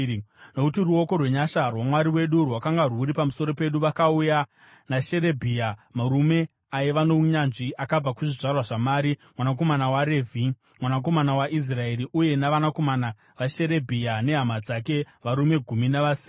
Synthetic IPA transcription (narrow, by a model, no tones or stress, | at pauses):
no̞kutiruo̞ko̞rwe̞ɲaʃarwamwaɾiwe̞ɗurwakaŋɡaruɾipamuso̞ɾo̞pe̞ɗuʋakauja | naʃe̞ɾe̞bʱijamaɾume̞ | ajeʋano̞ɲanʐiʔakab͡vakuʐiʐarwaʐamaːɾimwanak̬o̞manawaɾe̞ːvʱi | mwanak̬o̞manawaʔis̬rae̞ɾiʔuje̞naʋanako̞mana | ʋaʃe̞ɾe̞bʱijane̞ɦamad͡zak̬e̞ | ʋaɾume̞ɡʱuminaʋasi